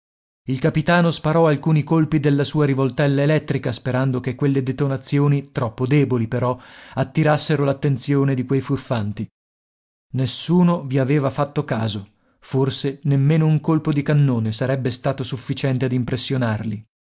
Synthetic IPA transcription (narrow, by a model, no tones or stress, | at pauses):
ilkapit̪aːnospaɾɔalkuːnikolpid̪elːasuːaɾivolt̪ɛlːaelɛt̪ːɾikaspeɾand̪okekːwelːed̪et̪onat̪sːjoːnit̪ɾɔpːod̪ɛːbolipeɾɔat̪ːiɾasːeɾolat̪ːent̪sjoːned̪ikwejfurfant̪i | nesːuːnoviaveːvafat̪ːokaːzo | forsenemːeːnouŋkolpod̪ikanːoːnesaɾɛbːest̪aːt̪osufːit͡ʃɛnt̪ead̪impɾesːjonarli